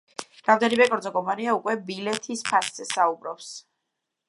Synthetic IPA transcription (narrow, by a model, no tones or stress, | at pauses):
ɾ̥avd̪aɾibɛkʼɔɾd̪zɔkʼɔmpʼaniaukʼwɛbilɛt̪ʰispʰasz̥ɛsaubɾɔps